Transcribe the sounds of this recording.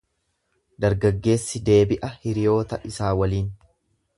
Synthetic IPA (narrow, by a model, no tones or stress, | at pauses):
d̪ɐɾɡɐɡːe̞ːsːɪd̪e̞ːbɪʔɐhɪɾɪjo̞ːt̪ɐʔɪsaːwɐliːn